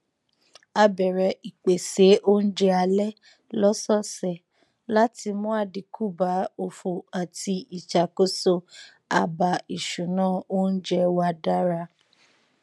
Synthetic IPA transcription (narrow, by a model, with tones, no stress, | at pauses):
a˧bɛ˨ɾɛ˧i˨k͡pe˨se˨˦ʔo˦n̩˦d͡ʒɛ˧˦a˧lɛ˦ | lɔ˦sɔ˦˨sɛ˨ | la˦ti˧mũ˦a˦˨di˨kʰu˦˨ba˨˦o˧fo˧a˨ti˧i˨t͡ʃa˨ko˦so˧ | a̰˨ba˨i˨ʃu˨nãː˦˨o˦n̩˦d͡ʒɛ˧wa˧da˦ɾa˧